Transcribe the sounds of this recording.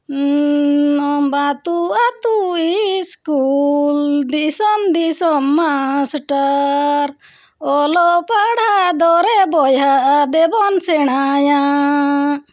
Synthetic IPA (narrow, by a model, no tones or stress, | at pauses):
ɔbat̪uat̪uiskuld̪isɔmd̪isɔmːasʈaɾ | ɔlɔpaɽad̪ɔɾɛbɔjɦaʔd̪ɛbɔnsɛɳ̃aja